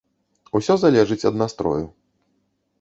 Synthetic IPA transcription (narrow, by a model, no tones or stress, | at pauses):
usʲɔzalʲɛʐɨt͡sʲɐd̪nast̪ɾɔ̰ju